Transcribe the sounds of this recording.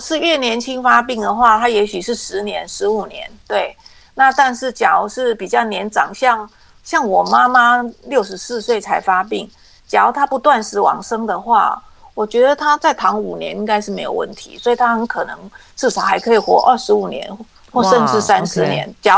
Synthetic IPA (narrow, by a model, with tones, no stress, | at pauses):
ʂɻ̩˥˧ɥɛ˥˩njɛ˧˥nt͡ɕʰi˥ŋfa˥p̬i˥˩ŋd̪ə˩xwa˥˩t̪ʰa˥jɛ˧˥ɕy˨˩ʂɻ̩˥˩ʂɻ̩˧˥njɛ˧˥nʂɻ̩˧˥u˨˩njɛ˧˦nt̪we˥˩ɪ | na˥˧t̪a˥˧nʂɻ̩˥˩t͡ɕjɑ˨˦ʊʂɻ̩˥˩pi˨˩t͡ɕjɑ˥˩ʊnjɛ˧˥nʈ͡ʂɑ̰˨˩ŋɕjɑ˥˩ŋ | ɕjɑ˥˩ŋwɔ˨˩ma˦˥ma˥ljo˥˩ʊʂ̬ɻ̩˧˥sɹ̩˥˧swe˥˩ɪt͡sʰa˧˥ɪfa˥pi˥˩ŋ | t͡ɕjɑ˧˥˦ʊt̪ʰa˥pu˧˥t̪wa˥˧nʂɻ̩˧˥wɑ̰˨˩ŋʂɤ˥ŋd̪ə˨xwa̰˥˩ | wɔ˨˩t͡ɕɥɛ˧˥d̪ə˨t̪ʰa˥t͡sa˥˩ɪt̪ʰɑ˧˥ŋu˨˩njɛ̰˧˥˦ni˧˥ŋka˥ɪʂ̬ɻ̩˥˩me˧˥ɪjo˨˩ʊwə̰˥˩nt̪ʰḭ˧˦swɔ˧˥i˨˩t̪ʰa˥xə˧˥nkʰɤ˨˩nɤ̰˧˦ŋʈ͡ʂɻ̩˥˩ʂɑ˨˩˦ʊxa˧˥ɪkʰɤ˧˥i˨˩xwɔ̰˧˦ʔə˥˩ʂɻ̩˧˥u˨˩njɛ̰˧˦n | xwɔ˥˧ʂə˥˧nʂɻ̩˥˩sa˦nʂɻ̩˧˦njɛ̰˧˦nt͡ɕjɑ˧˦